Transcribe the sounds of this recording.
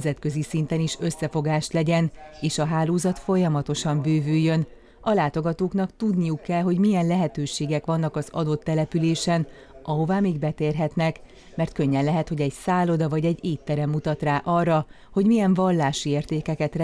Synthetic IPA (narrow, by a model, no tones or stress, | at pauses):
zɛt̪kø̞zisint̪ɛniʃøsːɛfo̞ɡaːʃlɛɟɛneːʃɒɦaːloːzɒt̪fo̞jɒmɒt̪o̞ʃɒɱbøːvyːjːø̞n | ɒlaːt̪o̞ɡɒt̪oːknɒkt̪ud̪nijukːɛlɦo̞ɟmijɛnlɛɦɛt̪øːʃeːɡɛkʋɒnːɒkɒzɒ̰d̪o̞t̪ːɛlɛpyleːʃɛn | ɒɦo̞vaːmeːɡbɛt̪eːrɦɛt̪nɛk | mɛrt̪̚køɲːɛnlɛɦɛt̪ho̞ɟɛɟsaːlo̞d̪ɒvɒɟɛɟeːt̪ːɛɾɛmːut̪ɒt̪raːʔɒrːɒ | ho̞ɟmijɛɱvɒlːaːʃieːrt̪eːkɛkɛt̪r